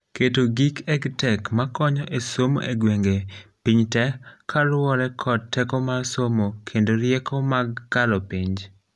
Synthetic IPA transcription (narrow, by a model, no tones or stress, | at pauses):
ketoɡikɛɡtɛkmakɔɲɔʔesomo̰ʔeɡweŋɡepiɲtɛkʰalʊɔɾɛkʰɔdtːɛkɔmarsomokʰendoɾjekɔmaɡːalopiɲd͡ʒ